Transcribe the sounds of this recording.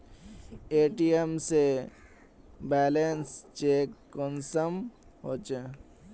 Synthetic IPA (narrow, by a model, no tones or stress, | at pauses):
eːʈiemse | bɛːlenst͡ʃeːkːɔnsəm | ɦot͡ʃe